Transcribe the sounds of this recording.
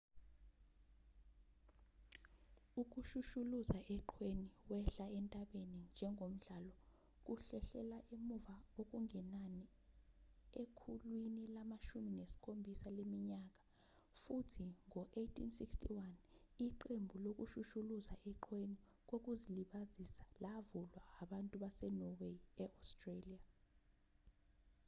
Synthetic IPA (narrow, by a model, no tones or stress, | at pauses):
uk̬uʃuʃuluzaʔɛǃʰweniwɛɬaɛntʼaɓenind͡ʒʱɛŋʱom̩ɮalɔ | k̬ʼuɬɛɬɛlaʔemuvaok̬ʼuŋʱɛnani | ekʰulwinilamaʃuminesi̥kʰʼombʱisalemiɲak̬ḁ | futʰiŋɔʔejtʰḭnsikstʰḭwaniǃembʱulok̬uʃuʃuluzaʔɛǃʰweni | k̬ok̬uziliɓazisḁlavulwaːɓantʼuɓasɛnɔweɛastʼrelia